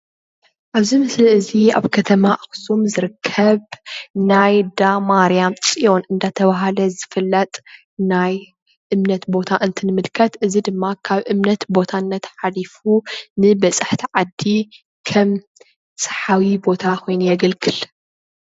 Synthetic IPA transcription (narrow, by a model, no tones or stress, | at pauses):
ʔaβzimɨslɨɨzia̰βkʰɐt̪ʰɐmaʔɨxsumzɨɾɨkʰːɐβnajd̪amaɾijamt͡sʼijo̞nɨnd̪at̪ʰɐβaɦalɐzɨfɨlːɐt̪ʼ | naj | ʔɨmnɐt̪bo̞t̪ʰaʔɨnt̪ʰɨnɨmɨlkʰɐt̪ʔɨzid̪ɨmːakʰaβʔɨmnɐt̪bo̞t̪ʰaɨnːɐt̪ħalifunɨbɐt͡sʼɨħt̪ʰiʕad̪ːi | kʰɐm | sʼɐ̥ħawibo̞t̪ʰakʰo̞jnujɛɡɐlɡʰɨl